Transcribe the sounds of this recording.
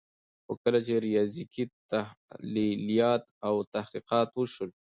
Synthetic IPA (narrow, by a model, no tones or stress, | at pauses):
xo̰kəlat͡ʃeɾijɑzikit̪ahlilijɑt̪̚awt̪ahqiqɑt̪wəʃəl